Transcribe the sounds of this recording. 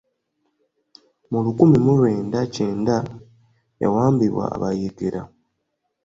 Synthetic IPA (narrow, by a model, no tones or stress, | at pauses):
mulukumimulwe̞ːndace̞ːnda | ja̰waːmbiβwa̰ːβajiɡeɾa